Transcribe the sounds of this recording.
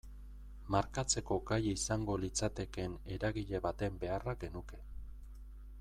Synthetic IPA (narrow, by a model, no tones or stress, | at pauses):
maɾkat͡se̞ko̞ɡajisaŋɡo̞lit͡sat̪e̞ke̞ne̞ɾaɣiʎe̞βat̪e̞mbe̞araɡe̞nuke̞